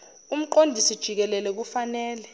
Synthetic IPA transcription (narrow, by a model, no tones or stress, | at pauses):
um̩ǃondʱisid̥ʒ̥ʱik̬ɛlɛlɛk̬ufanɛːlɛ